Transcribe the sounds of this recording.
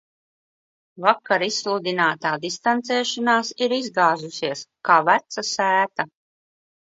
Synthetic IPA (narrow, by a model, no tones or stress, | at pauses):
vakːaɾisːlˠud̪inaːt̪aːd̪ist̪ant̪sɛːʃanaːsiɾizɡaːzusiɛəskaːvæt̪sasæːt̪a